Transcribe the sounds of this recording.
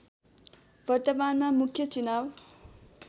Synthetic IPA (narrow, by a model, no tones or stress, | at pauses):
bʌrt̪ʌmanmamukʰjʌt͡sunaw